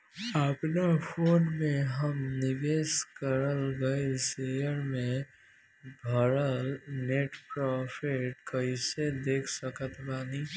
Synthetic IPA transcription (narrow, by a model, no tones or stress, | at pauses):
əpnafʰoːnmẽɦəmnɪʋeːskəɾəlɡəesejəɾmẽ | bʱəɾəlneʈpɾɔːpʰɪʈkəɪsed̪eːkʰsəkət̪ʰbaːni